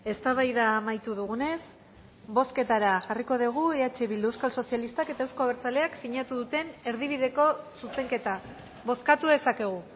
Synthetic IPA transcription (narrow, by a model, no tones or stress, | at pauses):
e̞st̪aβajðamajt̪uðuɣ̞une̞s | bo̞ske̞t̪aɾaʝariko̞ð̞iɣ̞ueat͡ʃe̞βild̪uewskalso̞sialist̪ake̞t̪ae̞wsko̞aβeɾt͡saleaksiɲat̪uðut̪e̞ne̞ɾðiβ̞iðe̞ko̞suse̞ŋke̞t̪a | βo̞skat̪uðe̞sake̞ɣ̞u